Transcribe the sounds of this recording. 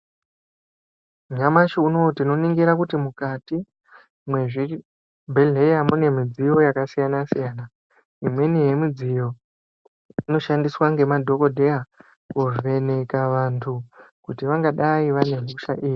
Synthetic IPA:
uɲamaʃiuno̞tino̞niŋɡiɾakutimukati | mwe̞ʐi | bʱe̞ɮe̞jamune̞mid͡zijo̞jakasijanasijaːna | imwe̞nijemid͡zijo̞ | ino̞ʃandiswaŋɡe̞madʱo̞ko̞dʱe̞a | kuʐe̞ne̞kaʋantʰukutiʋaŋɡaɗaiʋane̞ŋuʃa̰ʔiːji

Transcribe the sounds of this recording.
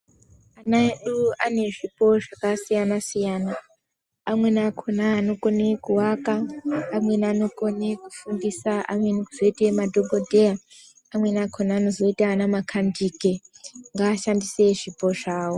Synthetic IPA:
anaeɗuane̞ʐipo̞ʐakasijanasijaːna | amwe̞nakʰonaːno̞ko̞nekuwakaːmwe̞nano̞ko̞ne̞ku̥fundisaa̰mwenikuzo̞itemadʱoɓʱodʱe̞ja | amwe̞nakʰonaːno̞zo̞itaːnamakʰandike̞ | ŋɡaːʃandise̞ʐipo̞ʐaːwo̞

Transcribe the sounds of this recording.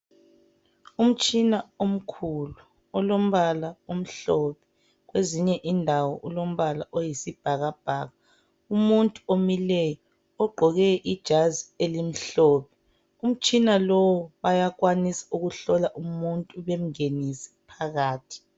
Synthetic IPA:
um̩t͡ʃʼinaom̩kʰulu | ɔlom̩βalaum̩ɬopɛ̥ | ɣweziɲɛʔindʱawɔʔulom̩βalaʔojisib̥ʱaɣab̥ʱa̰ːɣa | umuntʼuomilɛjɔ | ɔɡ͡ǃʱɔɣɛʔid̥ʒ̥ʱazielim̩ɬoːpʰɛ̥ | um̩t͡ʃʼinalɔwɔβajak̬wanisḁuɣuɬɔlaʔumuntʼuβem̩ŋenisi̥pʰaɣaːtʰi̥

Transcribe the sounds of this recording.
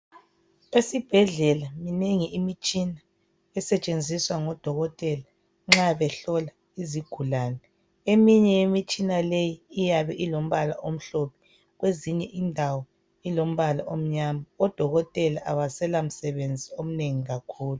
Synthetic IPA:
esib̥ʱɛɮɛlamineŋiʔimit͡ʃʼina | ɛsɛt͡ʃʼend͡zʱiswaŋɔd̥ʱɔɣɔtʼɛla | ŋ͡ǁaβɛɬɔla | iziɡ̥ʱulaːnɛ | emiɲɛjemit͡ʃʼinalejiːjaβɛʔilom̩βala̰ʔom̩ɬɔpʰɛ̥ | ɣweziɲɛʔindʱawɔ | ilom̩βalaʔom̩ɲamaɔd̥ʱɔɣɔtʼɛlaʔaβasɛlam̩sɛβend͡zʱiom̩neŋiɣakʰuːlu

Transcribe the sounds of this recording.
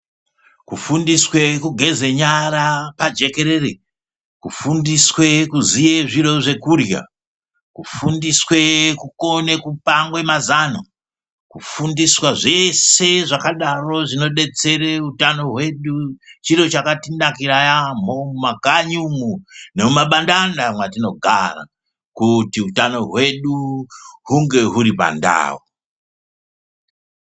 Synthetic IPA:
kufundiswe̞kuɡʱe̞ze̞ɲaɾapad͡ʒe̞ke̞ɾe̞re | kufundiswe̞kuzijeʐiɾo̞ʐe̞kurja̰ | kufundiswe̞kuko̞nekupaŋɡwe̞mazana̰ | kufundiswaʐe̞se̞ʐakaɗaro̞ʐino̞ɗe̞t͡se̞reutano̞ɦwe̞ɗut͡ʃiɾo̞t͡ʃakatinakiɾajam̤oumaɡʱaɲumunemumaɓandandamwatino̞ɡʱa̰ra̰ | kutiutano̞ɦwe̞ɗuɦuŋɡe̞ɦuɾipa̰nda̰ːwo

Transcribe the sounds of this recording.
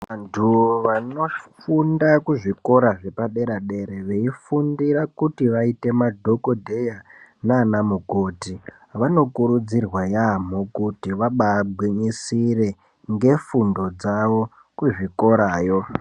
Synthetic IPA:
ʋantʰuʋano̞fundakuʐiko̞ɾaʐe̞paɗe̞ɾaɗe̞ɾeʋe̞ifundiɾakutiʋaite̞madʱo̞ko̞dʱe̞janaːnamuko̞ːti | ʋano̞kuɾud͡zirwajam̤okutiʋaɓaːbʱwiɲisire̞ | ŋɡe̞fundo̞d͡zaʋo̞ | kuʐiko̞ɾaːjo̞

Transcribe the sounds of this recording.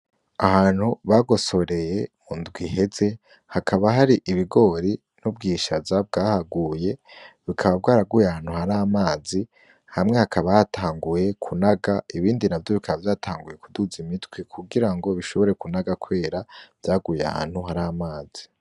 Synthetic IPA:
ahaːn̥huβaɡo̞so̞ɾe̞je̞mundɡwihe̞ze̞ | hakʰaβaɦaɾiʔiβiɡo̞ːɾi | nub̚ɡiːʃavzab̚ɡaːhaɡuːje̞βikʰaβab̚ɡaːɾaɡujehaːn̥huhaɾaamaːzi | hamŋe̞hakaβahatʰaːŋɡuje̞kʰunaɡaiβiːndinavjo̞βikʰaβavjaːtʰaːŋɡuje̞kuduzimitwekʰuɡiɾaŋɡo̞βiʃo̞βo̞ɾe̞kunaɡakwe̞ːɾav̥jaːɡujea̰ha̰ːn̥huɦaɾaamaːz̥i̥

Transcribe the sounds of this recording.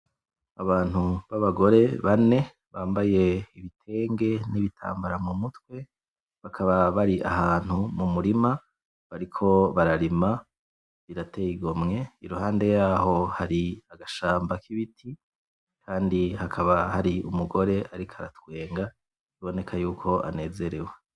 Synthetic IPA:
aβaːn̥huβaβaɡo̞ɾe̞βane̞ | βaːmbaje̞iβitʰe̞ːŋɡe̞niβitʰa̰ːmbaɾamumutwe̞ | βakʰaβaβaɾiʔa̰ɦaːn̥humumuɾima | βaɾikʰo̞βaɾaɾima | βiɾatejiɡo̞mŋe̞iɾuhaːnde̞jaːɦo̞haɾiaɡaʃaːmbakʰiβitʰi | kʰaːndihakʰaβahaɾiumuɡo̞ɾe̞ʔaɾikʰaɾa̰twe̞ːŋɡa | iβo̞ne̞kʰajuːkʰo̞ʔa̰ne̞ːze̞ɾe̞we

